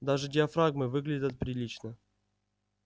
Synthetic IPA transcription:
d̪aʐɨdʲɪɐfɾaɡmɨvɨɡlʲɪdʲɐt̪̚pɾʲɪlʲit͡ɕnə

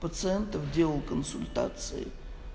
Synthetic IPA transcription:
pət̪sɨɛnt̪əfdʲelˠəlˠkənsʊlʲt̪a̰t̪sɨ̰ɪ̰

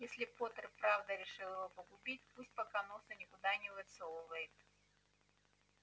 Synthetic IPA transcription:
jesʲlʲɪpot̪ərpɾavd̪əɾʲɪʂɨlˠɪvopəɡʊbʲit̚ʲpusʲt̚ʲpɐkanosənʲɪkʊd̪anʲɪvʲɪt̪solˠəvəjɪt̪

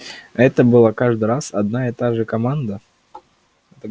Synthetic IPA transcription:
ɛt̪əbɨlˠakaʐd̪ɨɾasɐd̪naɛt̪aʐɨkɐmand̪ə | ɛt̪ə

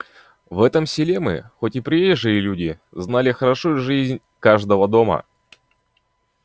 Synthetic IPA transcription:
vɛt̪əmsʲɪlʲe̞mɨ̰xo̞tʲɪpɾʲeʐɨjɪlʲudʲɪ | znalʲɪxəɾɐʂujʊʐɨzʲnʲ | kaʐd̪əvəd̪o̞mə̰

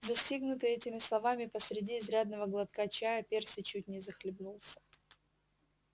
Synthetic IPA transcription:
zɐsʲtʲiɡnʊt̪ɨɛtʲɪmʲɪslˠɐvamʲɪpəsɾʲɪdʲiːzɾʲad̪̚nəvəɡlˠɐt̪kat͡ɕajəpʲersʲɪt͡ɕut̚ʲnʲɪzəxlʲɪbnulˠsʲə̥

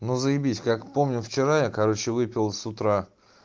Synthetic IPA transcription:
nuzəjɪbʲitʲkakpo̞mnʲʊft͡ɕɪɾajakɐɾo̞t͡ɕɪvɨpʲɪlˠsʊt̪ɾa

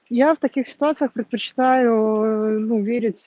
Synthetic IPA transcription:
jaft̪ɐkʲixsʲɪ̥t̪ʊat̪sɨjəxpɾʲɪt̪̚pət͡ɕɪ̥t̪ajʊnuvʲeɾʲɪtʲ

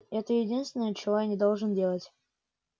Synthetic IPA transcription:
ɛt̪əjɪdʲinst̪vʲɪnəjət͡ɕɪvojanʲɪd̪olˠʐɨndʲe̞lˠətʲ

